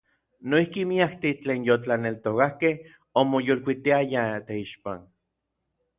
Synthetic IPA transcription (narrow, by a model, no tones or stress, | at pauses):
noihkimiakt̪it͡ɬeːnjot͡ɬanelt̪okahkeh | omojolkʷit̪iajat̪eiʃpa̰n